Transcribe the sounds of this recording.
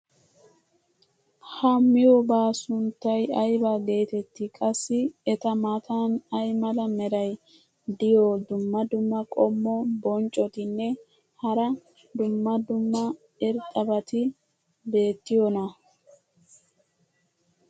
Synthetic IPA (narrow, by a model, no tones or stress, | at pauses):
hɐmːɪjɔbaːsʊnt̪ːɐjɐjbaɡe̞ːt̪ɛt̪ːɪkʼɐsːɪɛt̪ɐmat̪ʰanɐjmɐlɐmɛɾɐj | d̪ɪjod̪ʊmːɐd̪ʊmːɐkʼɔmːɔbɔnt͡ʃʼːɔt̪ɪnːɛ | hɐɾɐ | d̪ʊmːɐd̪ʊmːɐ | ɪɾt̪ʼɐbɐt̪ɪ | be̞ːt̪ːɪjɔnɐ